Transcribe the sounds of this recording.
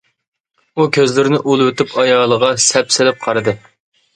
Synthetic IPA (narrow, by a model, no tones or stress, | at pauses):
ukʲʰøzlɪɾɪnɪʔulˠwet̪ypʰɑjɑːlˠəʁɑsɛpsɪlɪp̚qʰɑɾɨd̪ɨ